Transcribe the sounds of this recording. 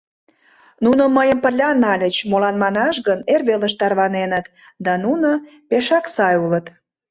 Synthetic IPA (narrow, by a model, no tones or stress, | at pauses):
nunə̆məjəmpə̆rlʲɑnɑlʲət͡ɕmolɑnmɑnɑʃɣənerβeləʃt̪ɑrβɑnenət̪ | d̪ɑnuno | peʃɑksɑjulət̪